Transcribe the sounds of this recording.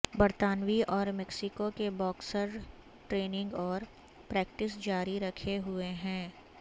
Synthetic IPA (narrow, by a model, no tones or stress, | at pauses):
bɐɾt̪aːnʋiʔɔːɾmɛksɪkokebɔːksəɾ | ʈɾeːnɪ̃ŋɡɔːɾ | pɾɛːk̚ʈɪs̬d͡ʒaːɾiɾɐkʰeɦʊeɦɛ̃ː